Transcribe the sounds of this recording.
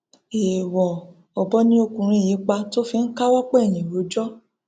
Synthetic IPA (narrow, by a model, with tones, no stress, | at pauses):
e˨wɔ˨ | ɔ˨bɔ˨˦nĩ˦o˧kũ˧˨ɾ̃ĩ˧i˦˨ji˨˦k͡pa˧to˦fi˧n̩˦ka˦wɔ˦k͡pɛ˦˨nĩ˨ɾo˧˦d͡ʒɔ˦